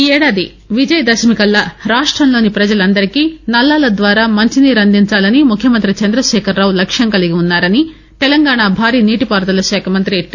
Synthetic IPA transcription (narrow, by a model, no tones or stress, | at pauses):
ɛːɽaːd̪i | ʋid͡ʒɐjɐd̪ɐʃmikɐlːɐɾaːʂʈɾɐmlo̞ːnipɾɐd͡ʒɐlɐnd̪ɐɾikiːnɐlːaːlɐd̪ʋaːɾaːmɐɲt͡ʃiniɾɐnd̪iɲt͡ʃaːlɐnimukʰjɐmɐnt̪ɾit͡ʃɐnd̪ɾɐʃɛːkʰɐɾːaːwlɐkʂjɐŋkɐliɡiunːaːɾɐni | t̪ɛlɐŋɡaːɳaːbʱaːɾiːniːʈipaːɾt̪ɐlɐʃɛːkʰɐmɐnt̪ɾiʈːi